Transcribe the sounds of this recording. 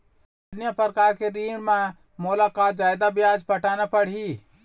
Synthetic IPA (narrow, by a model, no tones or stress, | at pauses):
njəpəɾkaɾkeɾiɳmẽ | molakad͡ʒajd̪abjad͡ʒpəʈʰanapəɽ̤i